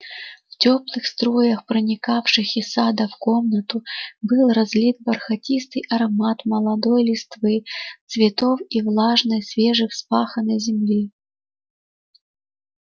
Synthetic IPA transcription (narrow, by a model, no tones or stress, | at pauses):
ft͡sʲɔplˠɨxst̪ɾɔjɐxpɾɐnʲikafʂɨxisad̪ɐfkɔmnɐt̪ʊbɨlˠrazʲlʲit̪̚bɐrxɐtʲist̪ɨjʔɐɾɐmat̪mɐlˠad̪ɔjlʲɪst̪vɨt̪svʲɪt̪ɔfivlˠaʐnɐjsʲvʲeʐɨxspaxɐnɐjzʲɪmlʲi